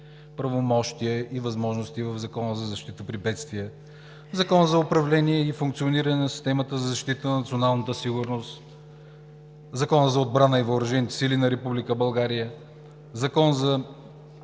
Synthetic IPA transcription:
pɾɐvomɔʃt̪iəʔivɐzmɔʒnost̪ivəvzɐkɔnəzɐzɐʃt̪it̪əpɾivɛt̪st̪viə | zɐkɔnəzɐʊpɾɐvlɛniɛifuŋk̚t̪sioniɾənɛnɐsi̥st̪ɛmət̪əzɐzɐʃt̪it̪ənnɐt̪sionalˠnət̪əsiɡʊɾnost̪ | zɐkɔnəzɐod̪̚bɾanəivəʊɾɐʒɛnit̪ɛ̥silinɐɾɛpublikəbɐlˠɡaɾijə | zɐkɔnzɐ

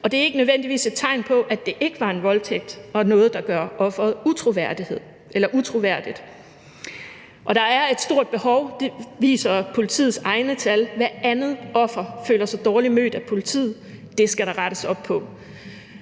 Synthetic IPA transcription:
ʔɒ̽d̥e̝æɐe̝ɡ̥ənøðˠʋen̰d̥iʋḭːse̝d̥̚t͡sʰɑ̈ɪ̰npʰɒ̽ʔæd̥e̝ʔe̝ɡ̥əʋɑ̈e̝nʋɒ̽lt͡sʰeɡ̥̚d̥ɒ̽nɔ̽ːð̞̩ˠd̥ɑ̈ɡ̥ɶɐʔɒ̽fʁɐð̩ˠut͡sʰʁo̝ʋæɐ̰d̥ihe̝ð̰ˠ | elɐʔut͡sʰʁo̝ʋæɐ̰d̥id̥ | ʔɒ̽ɾ̥ɑ̈æɐe̝d̥sd̥o̝ɐ̰d̥̚b̥e̝hɒ̽ʊd̥e̝ʋḭːsɐpʰo̝lit͡sʰḭːð̩ˠsɑ̈ɪnət͡sʰælʋæɐænð̩ˠɒ̽fʁɐfø̰ːlɐsɒ̽d̥ɒːlimø̰ːd̥æpʰo̝lit͡sʰḭːð̩ˠd̥e̝sɡ̥æɾ̥ɑ̈ʁɑɾ̥əsɒ̽b̥̚pʰɒ̽

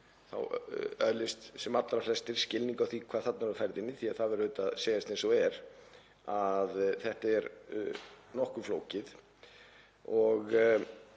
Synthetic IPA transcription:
θa̰wœlɪst̪sɛmat̪lɾaflɛst̪ɪɾ̥scɪlniŋkawθikʰvaːðθat̪navɾfaɾðɪnːɪθiaðθaðvɛɾʏːt̪aðseːjast̪ɛsɔɛɾ | aðθɛht̪ɛɾ | nɔhkʏflo̰ːwcɪθ | ɔɣ

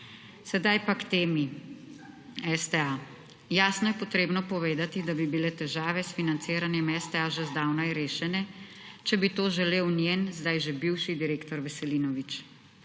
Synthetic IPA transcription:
sɛd̪ajpakt̪eːmi | ɛst̪ɛa | jaːsnɔjɛpɔt̪ɾeːbnɔpɔʋeːd̪at̪id̪abibilɛt̪ɛʒaːʋɛsfinant̪seːɾanjɛmɛst̪ɛaʒɛzd̪aːwnaiɾeːʃɛnɛt͡ʃɛbit̪oːʒɛleːwnjenzd̪ajʒebiwʃid̪iɾeːkt̪ɔɾʋɛsɛliːnɔʋit͡ʃ

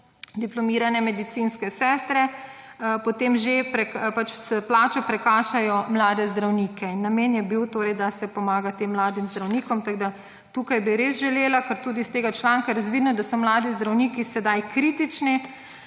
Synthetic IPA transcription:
d̪iplɔmiːɾanɛmɛd̪it̪sinskɛsɛːst̪ɾɛ | pɔt̪eːmʒepɾɛkpat͡ʃsplaːt͡ʃɔpɾɛkaːʃajɔmlaːd̪ɛzd̪ɾawniːkɛinːamenjɛbiwt̪oːɾɛjd̪asɛpɔmaːɡat̪eːmːlaːd̪imzd̪ɾawniːkɔmt̪aɡd̪a | t̪uːkajbiɾeːsʒɛleːlakəɾt̪uːd̪ist̪eːɡat͡ʃlaːŋkaɾazʋid̪nɔd̪asɔmlaːd̪izd̪ɾawniːkisɛd̪ajkɾiːt̪it͡ʃni

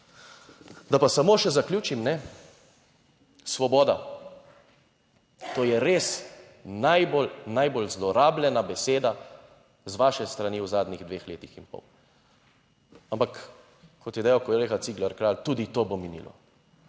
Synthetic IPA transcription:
d̪apasamoːʃɛzaklʲjuːt͡ʃimnɛ | sʋɔbɔːd̪a̰ | t̪oːjɛɾeːs | najbolnajbolzlɔɾaːblɛnabɛseːd̪a | zʋaːʃɛst̪ɾaniːwzaːd̪niɣd̪ʋeːxleːt̪ixinpɔ̰w | ampak | kʰːɔt̪jɛd̪ɛjawkɔjɾexasiːɡlaɾkɾaːlt̪uːd̪it̪oːbominḭːlʔɔ̰

